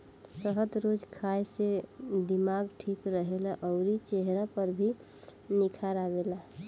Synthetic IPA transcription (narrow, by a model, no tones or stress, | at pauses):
səɦəd̪ɾod͡ʒkʰaesed̪imaɡʈʰikɾəɦelaʔəʊɾit͡ʃeɦɾapəɾbʱi | nikʰaɾaɡela